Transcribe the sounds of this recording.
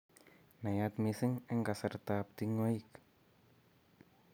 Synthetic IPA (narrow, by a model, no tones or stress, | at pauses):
najat̪̚misɪŋɛŋkasərt̪ap̚t̪iŋoik